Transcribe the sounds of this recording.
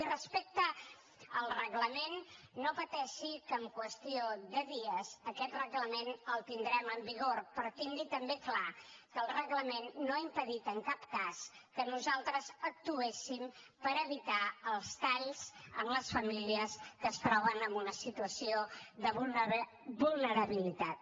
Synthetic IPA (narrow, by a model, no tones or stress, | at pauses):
irəspek̚t̪ə | əlˠrəɣləmenː | opət̪ɛʃikəmkwəst̪ioðəðiəzəkɛt̪rəɣləmenəlˠt̪ind̪ɾɛməmbiɣoɾpɾɔt̪iŋɡit̪əmbeklakəːlˠrəɣləmenːoaimpəðit̪əŋkap̚kaskənuzalˠt̪ɾəzək̚t̪uesim | pəɾəβit̪aəlˠst̪aʎzəmləsfəmiliəskəst̪ɾɔβ̞ənəmbunəsit̪uəsioðəβu | bulˠnəɾəβilit̪at̪